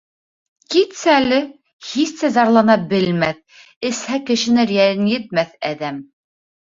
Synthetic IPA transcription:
kit̪sæælɘ | hisːæzɑɾlˠɑnɑbɘ̆lmæθ | ɘ̆shækɘ̆ʃɘ̆nɘɾjælɘnjɘ̆t̪̚mæθæðæm

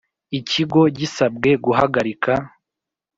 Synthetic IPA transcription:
iciɡo̞ɟisabɡe̞ɡuɦaɡaɾikʰa

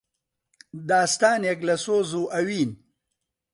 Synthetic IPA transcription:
d̪aːst̪aːnjɐklɐsoːzuːʔɐwiːn

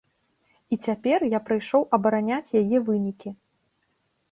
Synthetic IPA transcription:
it͡sʲapʲɛrjapɾɨjʂɔwʔɐbɐɾanʲat͡sʲjajɛvɨnʲikʲi

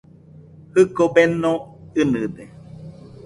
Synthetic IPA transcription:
hɨkobenõɨnɨd̪e

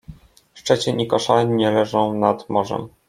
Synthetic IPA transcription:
ʂt͡ʂɛt͡ɕɛɲʔikɔʂaɲɛlɛʐɔ̃w̃nad̪mɔʐɛ̰m

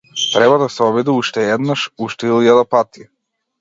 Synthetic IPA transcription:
t̪ɾɛbad̪asɛɔbid̪iuʃt̪ɛɛd̪naʃuʃt̪ɛilˠjad̪apat̪i

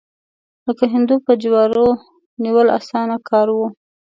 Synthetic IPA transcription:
ləkaɦɪnd̪upəd͡ʒwɑɾo | niwəla̰sɑnakʰɑɾwu

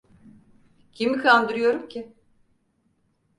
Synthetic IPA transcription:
cʰimikʰand̪ɯɾɯjo̞ɾumcʰɪ

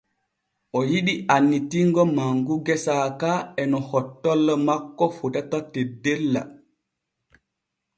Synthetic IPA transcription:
ʔɔjiɗianːitiŋɡɔmaŋɡuɡɛsaːkaɛnɔhɔtːɔlːɔmakːɔfutatatedelːa̰

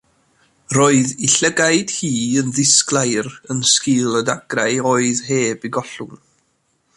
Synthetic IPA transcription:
roːɨðiɬəɡaɨd̥hiːənðɪsklˠajɾənskɪlˠədaɡrajoːɨðɦeːbiɡɔɬʊn

